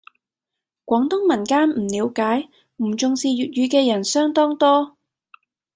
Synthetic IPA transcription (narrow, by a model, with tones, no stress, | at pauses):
kʷɔː˨˥ŋt̪ʊ˥ŋmɐ˨˩nkaː˥nm̩˨˩liː˨˧wkaː˨˥j | m̩˨˩t͡sʊ˨ŋsiː˨ɥyː˨t̚ɥyː˨˧˥kɛː˧jɐ˨˩nsœː˥ŋt̪ɔː˥ŋt̪ɔː˥